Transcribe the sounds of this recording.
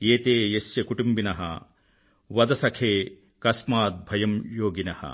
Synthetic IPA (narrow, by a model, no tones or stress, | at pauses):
eːt̪eːjesjɐkuʈumbinɐɦɐ̰ | ʋɐd̪ɐsɐkʰeː | kɐsmaːt̪̚bʱɐjɐmjoːɡinɐhɐ̰